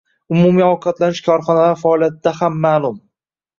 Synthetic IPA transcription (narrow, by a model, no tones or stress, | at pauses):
ʊmumiɒwqʰɑt̪lanɪʃkʰɒɾχɒnalaɾfaːlˠijat̪̚ɪd̪ahamːaːlˠʊm